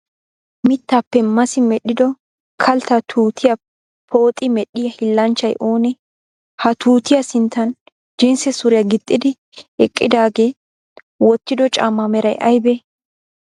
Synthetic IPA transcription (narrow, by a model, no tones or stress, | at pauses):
mɪt̪ːaːpːɛmɐsɪmɛɗːɪd̪ɔ | kʰɐlt̪ɐt̪ʰuːt̪ʰɪjɐ | pʰo̞ːt̪ʼːɪmɛɗɪjɐhɪlːɐnt͡ʃːɐjʔo̞ːnɛ | hɐt̪uːt̪ɪjɐsɪnt̪ːɐn | d͡ʒɪnsɛsʊɾɛjɐɡɪt̪ʼːɪd̪ɪ | ɛkʼːɪd̪aːɡe̞ː | wɔt̪ːɪd̪ɔt͡ʃʼa̰ːmːɐmɛɾɐjʔɐjbɛ